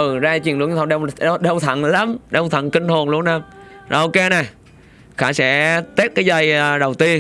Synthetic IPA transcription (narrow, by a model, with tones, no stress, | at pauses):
ʔɨ˨˩zaː˧t͡ɕwi˨˩ənlɨ˧˩˦ɲʰ˧˨˧ɗwɗə˧wt̪ʰə̰˧˨nla˨˦mɗə˧wt̪ʰə̰˧˨nkï˧ŋ̟ho˨˩nlu˧əna˧mza̰˨˩ʔo˧ke˧na˨˩j | xa̰ː˧˩sɛ̰˧˥t̪e˦˥t̚kaː˨˦jza˧jɗə˨˩wt̪i˧ən